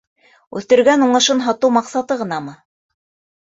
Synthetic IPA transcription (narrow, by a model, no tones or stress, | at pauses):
ʉθt̪ɘ̆ɾɡænuɴɤ̆ʃɤnɦɑt̪ɤwmɑqsɑt̪ɤʁɤ̆nɑmɤ